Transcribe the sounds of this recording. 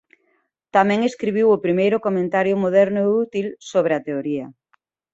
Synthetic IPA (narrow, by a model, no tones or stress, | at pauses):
t̪amɛ̃ŋeskɾiβ̞iwʊpɾimejɾʊkomẽnt̪aɾjʊmoð̞ɛɾnʊeut̪ilsoβ̞ɾɪɐt̪eoɾiɐ